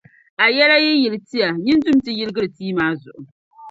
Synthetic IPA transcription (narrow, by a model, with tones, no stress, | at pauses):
a˨jɛ˦la˦ji˦jɪ˨lti˦ja˨ɲɪ˦ndʊ˦m˦tɨ˨jɪ˦lɨ˦ɡɨ˦ɾɨ˨tiː˦maː˦zʊ̰˨ʔʊ˨